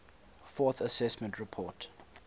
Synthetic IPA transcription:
fɔθəsɛsmɛ̃ntʰɹipʰɔt

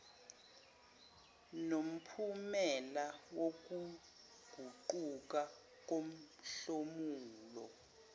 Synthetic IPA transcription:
nom̩pʰumɛlawok̬u | ɡ̥ʱuǃuk̬a | k̬om̩ | ɬomuːlɔ

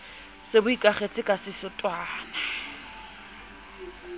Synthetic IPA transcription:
sɪbʊikʼaχet͡sʼɪkʼasɪsɪtʼwaːna

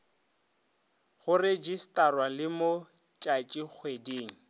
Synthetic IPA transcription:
ɣʊred͡ʒistʼarwalɪmʊ | t͡ʃʼat͡ʃʼik͡xʰwedeːŋ̩

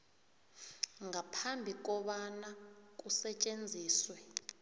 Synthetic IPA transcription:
ŋapʰambʱik̬ɔɓanak̬ʼusɛt͡ʃʼend͡zʱiːswɛ

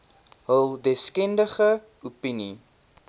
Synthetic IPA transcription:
ɦəlˠdɛskɛndəχə | upini

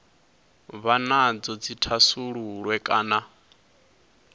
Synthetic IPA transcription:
βanad͡zɔd͡zitʰasuɺuɺwɛkʼaːna

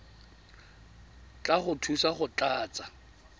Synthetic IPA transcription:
t͡ɬʼaχʊtʰusaχʊt͡ɬʼaːt͡sʼa

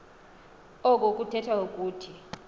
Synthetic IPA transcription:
ɔk̬ʼok̬ʼutʰɛtʰwaok̬ʼuːtʰi

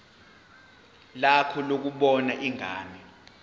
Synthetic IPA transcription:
lakʰɔlok̬uɓɔnaʔiŋaːmɛ

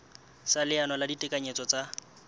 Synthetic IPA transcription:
salɪanɔladitʼɪkʼaɲet͡sɔt͡sʼa

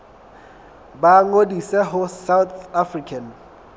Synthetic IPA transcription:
baŋodisɛɦʊsawt̪ʰafrikʰan

